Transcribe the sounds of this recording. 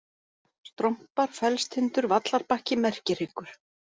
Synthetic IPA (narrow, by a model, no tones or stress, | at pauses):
st̪ɾɔm̥paɾ̥fɛlst̪hʏnt̪ʏɾvat̪laɾpahcɪmɛr̥cɪr̥ɪkʏɾ̥